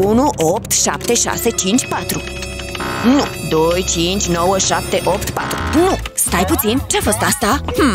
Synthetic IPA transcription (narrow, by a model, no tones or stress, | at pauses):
unuʔopt̪ʃa̰pt̪eʃa̰set͡ʃint͡ʃpat̪ɾu | nud̪ojt͡ʃint͡ʃnɔwəʃap̚t̪eʔopt̪pat̪ɾunust̪ajput͡sinʈefəst̪ast̪ah